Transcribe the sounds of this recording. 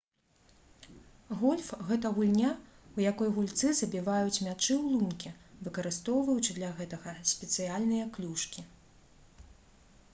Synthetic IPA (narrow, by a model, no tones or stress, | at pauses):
ɣɔlʲfɣɛt̪ɐɣulʲnʲa | ujakɔjɣulʲt̪sɨzɐbʲivajut͡sʲmʲat͡ʂɨwlˠumkʲivɨkɐɾɨst̪ɔwvɨwt͡ʃɨlʲaɣɛt̪ɐɣɐsʲpʲɛt̪sɨjalʲnɨjɐklʲuʂkʲi